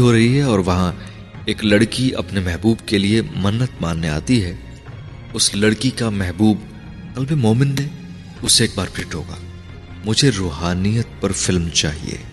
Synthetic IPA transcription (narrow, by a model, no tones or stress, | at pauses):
ɦoɾɐɦiɦɛɔːɾʋɐɦã | eːklɐɽkiʔɐ̰pnemɛɦbuːbkeliemɐnːət̪maːnːea̰ːt̪iɦɛ | ʊslɐɽkikamɛɦbuːb | kɐlbemoːmɪnːẽ | ʊseeːk̚baːɾpʰɪʈɦo̰ːɡa̰ː | mʊd͡ʒʱeɾoːɦaːnijət̪̚pɐɾfɪlmt͡ʃaːɦḭḛː